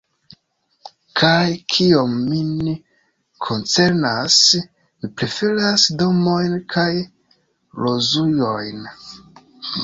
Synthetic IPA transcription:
kʰajkʰio̞mːin | kʰo̞nt͡se̞ɾnas | mipɾe̞fe̞ɾasdo̞mo̞jnkʰaj | ɾo̞zujo̞jn

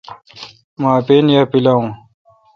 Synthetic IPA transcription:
maːpeːnjaːpilaũː

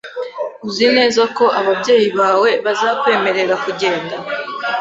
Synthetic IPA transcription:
uzine̞ːzako̞ʔaβabɟe̞ːjiβaːwe̞βazakwe̞ːme̞ɾe̞ɾakuɟe̞ːnda

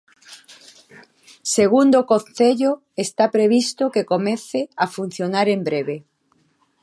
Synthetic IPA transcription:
seɣ̞und̪okõnθeʎo | est̪apɾeβ̞ist̪okekomeθeafun̟θjonaɾembɾeβe

